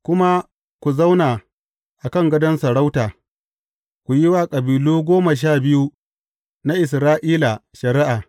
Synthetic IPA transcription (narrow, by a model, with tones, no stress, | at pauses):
kʷʊ˦ma˦ | kʷu˨za˦wnaː˨ | ʔa˨kɐ˦˨ŋɡɐ˦dɐ˦nsɐ˨ɽa˦wtaː˨ | kʷu˨jɪ˦waː˨kʼɐ˨biː˨luː˦ɡʷoː˦ma˨ʃ̬aː˦˨bɪ˦ju˦ | na˦ʔɪ˨s̬ɾaː˦ʔiː˦la˨ʃɐ˨ɾɪ˦ʔaː˨